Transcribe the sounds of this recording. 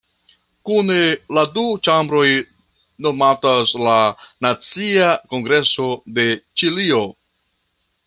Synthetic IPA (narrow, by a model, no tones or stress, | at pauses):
kune̞ladut͡ʃambɾo̞j | no̞mataslanat͡siako̞ŋɡɾe̞so̞de̞t͡ʃilio̞